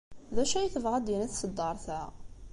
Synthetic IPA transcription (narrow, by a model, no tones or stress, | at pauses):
ðæʃæjθəvʁæd̪jənæθsəd̪ːɑɾˤθæ